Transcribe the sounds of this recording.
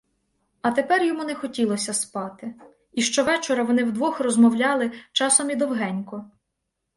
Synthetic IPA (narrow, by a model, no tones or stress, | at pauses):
ɐt̪epɛrjɔmunɛxɔtʲilˠɔsʲɐspɑt̪ɪ | iʃt͡ʃɔʋɛt͡ʃɔɾɐʋɔnɪwd̪ʋɔxrɔzmɔwlʲɑlˠɪt͡ʃɑsɔmid̪ɔwɦɛnʲkɔ